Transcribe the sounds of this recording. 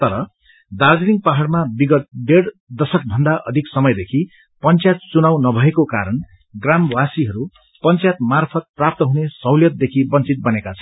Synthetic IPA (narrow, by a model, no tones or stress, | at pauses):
t̪ʌɾʌ | d̪ard͡ziniŋɡpaɦaɽmabiɡʌt̪̚ɖeɽ | d̪ʌsʌk̚bʱʌnd̪aʔʌ̰d̪ʱiksʌmʌjd̪ekʰi | pʌnt͡sjat̪̚t͡sunawnʌbʱʌekoka̰ɾʌn | ɡramwasiɦʌɾu | pʌnt͡sjt̪̚marpʰʌt̪̚prap̚t̪ʌɦunesʌwljʌt̪̚d̪ekʰibʌnt͡sit̪̚bʌnekat͡sʰʌn